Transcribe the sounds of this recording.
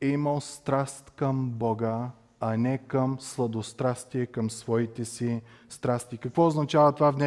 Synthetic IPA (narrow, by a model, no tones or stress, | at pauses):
iməlˠst̪ɾast̪kəmbɔɡə | ɐnɛkəmslˠɐd̪ost̪ɾast̪iɛkəmsvɔit̪ɛsist̪ɾast̪ikɐkvɔoznɐt͡ʃavət̪ovavnɛ